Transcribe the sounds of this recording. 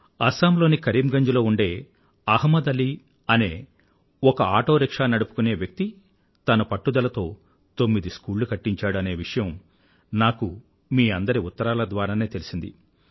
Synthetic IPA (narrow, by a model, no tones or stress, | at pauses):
ɐsaːmlo̞ːnikɐɾiːmɡɐɲd͡ʒuloːuɳɖe̞ː | ɐɦmːɐd̪ɐli | ɐne̞ː | ɔkɐaːʈo̞ːɾikʂaːnɐɽupu̥kune̞ːʋjɐk̚t̪i | t̪ɐnɐpɐʈːud̪ɐlɐt̪o̞ː | t̪o̞mːid̪iskuːlːukɐʈːiɲt͡ʃaːɽuɐne̞ːʋiʂɐjɐm | naːku | miːɐnd̪ɐɾiut̪ːɐɾaːlɐd̪ʋaːɾaːne̞ːt̪e̞lisind̪ḭ